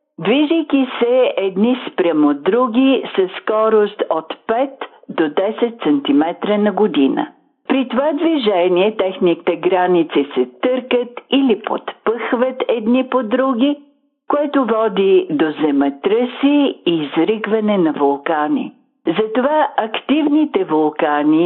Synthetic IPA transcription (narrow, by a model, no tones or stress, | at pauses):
d̪viʒəjk̟isɛɛd̪nispɾʲamod̪ɾuɡʲisɐskɔɾost̪ot̪pɛt̪ | d̪od̪ɛsɛt̪sɛnt̪imɛt̪ɾənɐɡod̪inə̰ | pɾit̪ovad̪viʒɛniɛt̪ɛxnit̪ɛɡɾanit̪sisɛt̪ɤɾkət̪ilipo̰t̪pəxvət̪ɛd̪nipod̪ɾuɡʲi | koɛt̪ovɔd̪id̪ozɛmɛt̪ɾəsiːzɾiɡvɐnɛnɐvolˠkanḭ | zɐt̪ovaɐkt̪ivnit̪ɛvolˠkani